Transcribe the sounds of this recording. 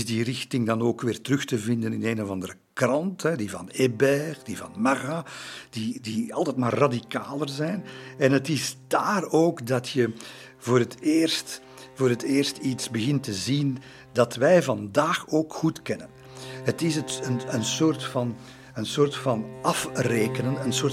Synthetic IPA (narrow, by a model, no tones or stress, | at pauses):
zdirɪxtɪŋdɑnoːkʋɪːrtərɵxtəvɪndənɪneːnɔvɑndərəkrɑntɦɛdivɑ̰nebɛχdivɑ̰nmaɣad̥idiɑlˠtɛtmaːrːadikaːlərzɛjnɛnɦətɪzdaːroːkdɑtjə | voːɾətɪːrst | voːɾɦətɪːrstitsbəɣɪntəzin | dɑtʋɛjvɑndaːxoːkxutkɛnən | ɦətɪsəənənsoːrtfɑn | ənsoːrtfɑnɑfreːkənənənsoːr